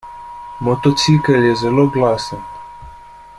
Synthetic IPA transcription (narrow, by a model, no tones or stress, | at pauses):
mɔt̪ɔt̪sikəɾjɛzɛloːɡlaːsən